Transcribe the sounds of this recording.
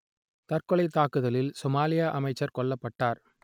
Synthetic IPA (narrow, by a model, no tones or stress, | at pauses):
t̪ɐrkɔɭɐɪt̪ːaːkɯðɐlɪlsɔmaːlɪjaʔɐmɐɪt͡ʃːɐɾkɔɭːɐpːɐʈːaːɾ